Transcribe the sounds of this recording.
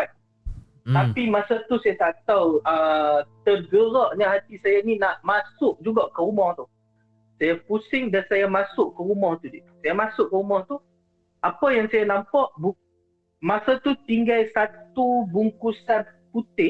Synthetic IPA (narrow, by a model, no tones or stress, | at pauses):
a | t̪apimasat̪usajasat̪awət̪əɡəɾɔʔɲəɦat̪isajaninaʔmasʊʔ̚d͡ʒuɡaʔkəɾumɔht̪u | sajapusɪŋdansajamasʊʔkəɾumɔht̪udit̪u̥sajamasʊʔ̚kəumɔht̪u | ʔapəjaŋsajanampɔʔbu | masat̪ut̪iŋɡajsat̪ubuŋkusan | put̪ɪ